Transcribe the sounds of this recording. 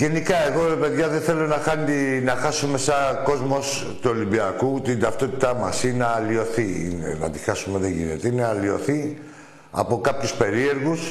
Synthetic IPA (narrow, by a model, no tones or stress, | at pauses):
ʝe̞nikɐe̞ɣo̞ɾepe̞ðʝɐðeθe̞lo̞nɐxɐninɐxɐsume̞sɐko̞zmo̞s | t̪uo̞limbiɐkut̪ind̪ɐft̪o̞t̪i̥t̪ɐmɐsinɐːlio̞θiḭnḛnɐ̰t̪i̥xɐsume̞ðeʝḭnḛt̪einɐlio̞θi | ɐ̰po̞kɐpçuspe̞ɾie̞ɾɣus